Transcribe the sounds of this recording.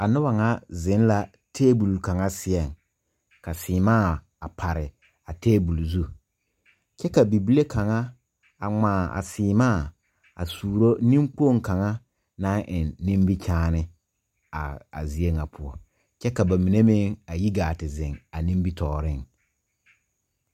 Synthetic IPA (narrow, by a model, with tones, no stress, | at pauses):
a˨nʊ˦ba˨ŋa˦zɪ˨˦n˦la˨ | tʰeː˦bu˨lka˨ŋa˦sɪ˨˦ɛ˨ŋ | ka˨siː˨maː˦˨ | a˨pʰa˨ɾɪ˨ | a˨teː˦bu˨lu˨zu˦ | t͡ʃɛ˦ka˨bi˨bi˦le˦kʰa˨ŋa˦ | a˨ŋ͡maː˨a̰˨siː˨maː˦˨ | a̰˨suː˨ɾo˦nĩ˦mk͡po˦˨ŋka˨ŋa˦ | nã˦ʔɪ˨nːĩ˦mbi˦t͡ʃʰaː˦nɪ˦ | a̰˨a̰˨zi˨e˦ŋa˨pʰʊ˦ɔ˦ | t͡ʃɛ˦ka˨ba˨mi˨ne˦mɪ˦ŋa˨ji˦ɡaː˨tɪ˨zɪ̃˨ŋa˨nĩ˦mbi˦tʰɔː˨ɾɪ˦˨ŋ